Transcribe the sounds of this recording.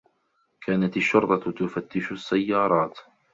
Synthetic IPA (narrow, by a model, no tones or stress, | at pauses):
kʰaːnat̪aʃːʊɾˤt̪ˤɑt̪ʊfat̪ːɪʃʊsːajːɑːɾˤɑːt̪